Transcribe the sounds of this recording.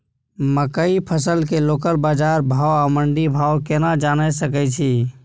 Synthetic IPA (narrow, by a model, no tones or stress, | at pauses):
məkəipʰəsəlkelokəlbad͡ʒaɾbʱawaməɳɖibʱaokenad͡ʒanɛsəkɛt͡ʃʰi